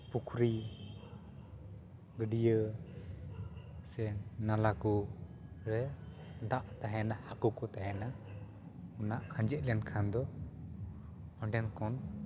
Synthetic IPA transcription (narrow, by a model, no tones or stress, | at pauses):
pukʰɾi | ɡəɖijə | sɛnalaku | ɾɛ | ɖaʔt̪aɦɛnahakukɔt̪aɦɛna | ɔnaʔkʰaɲd͡ʒɛt̪̚lɛnkʰand̪ɔ | ɔɳɖɛnkɔn